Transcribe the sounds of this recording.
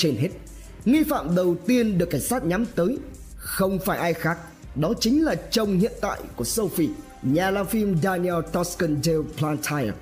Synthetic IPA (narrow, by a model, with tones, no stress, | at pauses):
t͡ɕe˧nɦe˦˥t̚ | ŋi˧fa̰ː˧˨mɗə˨˩wt̪i˧ənɗɨ˨˩əkːaː˧˩ŋ̟saː˦˥t̚ɲa˨˦mt̪əː˨˦j | xə˧wŋ͡mfaː˧˩jʔaː˧jxaː˦˥k̚ | ɗɔ˨˦t͡ɕï˨˦ŋ̟laː˨˩t͡ɕə˧˩wŋ͡mhḭ˧˨ənt̪a̰ː˧˨jku˧˩əsə˧wfi˧˩ | ɲaː˨˩laː˧˩mfi˧mɗaː˧ni˧ɛ˧lt̪ɔ˦˥skə˧nze˧wplaː˧nt̪ʰa˧j